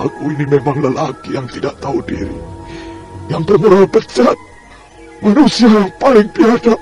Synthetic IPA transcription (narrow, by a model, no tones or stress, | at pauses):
a̰kuinimemaŋləlakijaŋt̪idaʔt̪audḭɾḭ | jaŋpərməɾapət͡ʃat̪̚ | manusiajaŋpalɪŋpiasa